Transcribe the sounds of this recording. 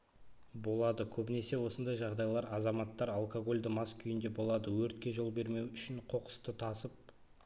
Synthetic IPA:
bo̞lˠɑd̪əkʲʰɵbɪne̞se̞wo̞sənd̪ɑjʒɑʁd̪ɑjlˠɑɾɑzɑmɑt̪ːɑɾalˠkoɡo̞lʲd̪əmɑskʲʰʏjɪnd̪e̞bo̞lˠɑd̪əwɵɾt̪̚kʲe̞ʒo̞lˠbe̞ɾme̞wʏʃɪɴqʰo̞qə̥st̪ət̪ʰɑsəp̚

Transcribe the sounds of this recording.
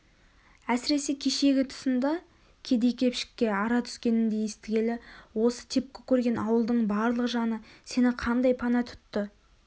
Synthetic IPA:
æsɪɾe̞se̞kʲʰe̞ʃe̞ɡʲɪt̪ʰʊ̥sənd̪ɑ | kʲʰe̞d̪e̞jkʲʰe̞pʃɪ̥kʲːe̞ɑɾɑt̪ʰʏ̥kʲe̞nɪnd̪e̞jest̪ɪɡʲe̞lɪwo̞sə̥t̪ʰe̞p̚kʲɪkʲʰːɵɾɡʲe̞nɑwəlˠd̪əɴbɑɾlˠəʁəʒɑnəse̞nɪqʰɑnd̪ɑjpʰɑnɑt̪ʰʏ̥t̪ːɪ

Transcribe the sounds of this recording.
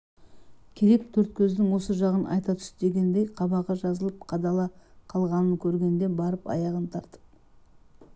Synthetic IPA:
kʲʰe̞ɾe̞k̚t̪ʰɵɾt̪̚kʲʰɵzd̪ɪŋwo̞səʒɑʁənʔɑ̰jt̪ɑt̪ʰʏ̥sd̪e̞ɡʲe̞nd̪e̞jqʰɑbɑʁɑʒɑzəlˠəp̚qʰɑd̪ɑlˠɑqʰɑlˠʁɑnəŋkʲʰɵɾɡʲe̞nd̪e̞nbɑɾəpɑ̰jɑʁənt̪ʰɑɾt̪ə̥p̚

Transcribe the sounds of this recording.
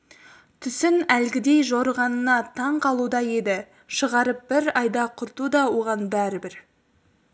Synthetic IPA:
t̪ʰʏsɪnælɡʲɪd̪e̞jʒoɾəʁɑnənɑt̪ʰɑɴqʰɑlˠud̪ɑje̞d̪ɪ | ʃəʁɑɾəp̚b̥ɪɾɑjd̪ɑqʰʊɾt̪ud̪ɑwo̞ʁɑnbæɾɪbɪɾ

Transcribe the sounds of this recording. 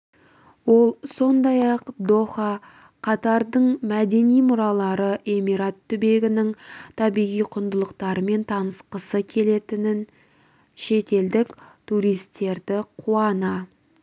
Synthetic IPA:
wo̞lˠso̞nd̪ɑjɑqd̪o̞xɑ | qʰɑt̪ɑɾd̪əɴmæd̪e̞nijmʊɾɑlˠɑɾəʔe̞miɾat̪ʰːʏbe̞ɡʲɪnɪŋt̪ʰɑbijʁijqʰʊnd̪əlˠəqt̪ɑɾəme̞nt̪ʰɑnəsqəsəkʲʰe̞le̞t̪ɪnɪn | ʃe̞t̪e̞ld̪ɪkt̪ʰuɾijst̪ːe̞ɾd̪ɪqʰuɑnɑ

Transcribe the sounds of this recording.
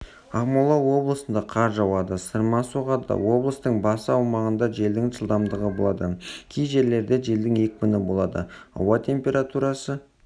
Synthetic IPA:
ɑʁmulˠɑwo̞blˠəsənd̪ɑqʰɑɾʒɑwɑd̪əsəɾmɑsoʁɑd̪ɑ̰wo̞blˠəst̪əɴbɑsəɑwmɑʁənd̪ɑʒe̞ld̪ɪŋʒəlˠd̪ɑmd̪əʁəbo̞lˠɑd̪əkʲʰijʒe̞ɾle̞ɾd̪e̞ʒe̞ld̪ɪŋe̞kʲbɪnɪbo̞lˠɑd̪ə̰ɑ̰wɑt̪ʰʲe̞mpʲe̞ɾat̪uɾɑsə

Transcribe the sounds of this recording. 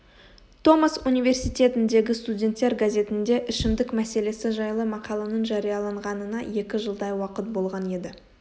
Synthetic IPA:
t̪ʰo̞masunijve̞rsijt̪ʲe̞t̪ɪnd̪e̞ɡʲɪst̪udʲe̞nt̪ːe̞ɾɡazʲe̞t̪ɪnd̪e̞ʔɪʃɪmd̪ɪkmæse̞le̞sɪʒɑjlˠəmɑqɑlˠɑnəɴʒɑɾijɑlˠɑɴʁɑnənɑje̞kʲɪʒəlˠd̪ɑjwɑqət̪̚bo̞lˠʁɑne̞d̪ɪ

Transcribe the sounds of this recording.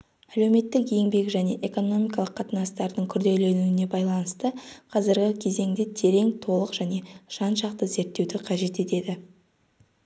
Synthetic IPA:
æle̞wme̞t̪ːɪkjeŋbe̞kʒæne̞ʔe̞ko̞no̞mijkɑlˠəqʰːɑt̪ənɑst̪ɑɾd̪əɴkʲʰʏɾd̪e̞le̞nuɪne̞bɑjlˠɑnəst̪əqʰɑzɪɾɡʲɪkʲʰe̞ze̞ŋd̪ɪt̪ʰe̞ɾe̞ŋt̪ʰo̞lˠəqʒ̥æne̞ʒ̥ɑnʃɑqt̪əze̞ɾt̪ːewd̪ɪqʰɑʒe̞t̪e̞t̪e̞d̪ɪ

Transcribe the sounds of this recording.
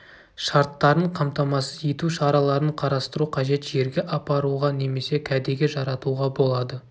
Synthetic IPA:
ʃɑɾt̪ːɑɾəɴqʰɑmt̪ɑmɑsəje̞t̪uʃɑɾɑlˠɑɾəɴqʰɑɾɑst̪əɾuqʰɑʒe̞t̪ʒe̞ɾɡʲe̞ʔɑpɑɾuʁɑne̞me̞se̞kʲʰæd̪eɡʲe̞ʒɑɾɑt̪uʁɑbo̞lˠɑd̪ə

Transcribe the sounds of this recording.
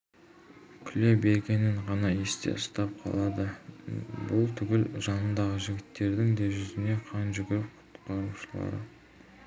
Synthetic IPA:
kʲʰʏlebe̞ɾɡʲe̞nɪɴʁɑnɑje̞st̪ḛst̪ɑp̚qʰɑ̰lˠɑd̪ə | bʊlˠt̪ʰʏɡʲɪlʒɑnənd̪ɑʁəʒɪɡʲɪt̪ːe̞ɾd̪ɪŋd̪eʒʏzɪne̞qʰɑnʒʏɡʲɪɾɪp̚qʰʊ̥t̪qɑɾuʃəlˠɑ̰ɾə̰

